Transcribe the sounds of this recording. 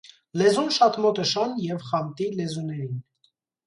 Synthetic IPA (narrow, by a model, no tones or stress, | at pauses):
lɛzunʃɑt̪mɔt̪əʃɑnjɛvχɑmt̪ilɛzunɛɾin